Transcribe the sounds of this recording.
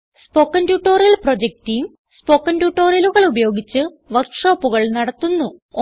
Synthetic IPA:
spo̞ːkːɐntjuːʈːo̞ːrijɐlpro̞d͡ʑek̚ʈijum | spo̞ːkːɐndjuːʈːo̞ːrjɐluɣɐɭubɐjo̞ːɡit͡ɕːɨ | ʋɐrkʂo̞ːpːuɣɐɭnɐɽɐt̪ːunːu

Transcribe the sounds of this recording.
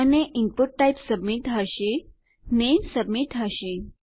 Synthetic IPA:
əneʔimpuʈːajpsəbmiʈɦaɕe | nemsəbmiːʈɦaɕẽ

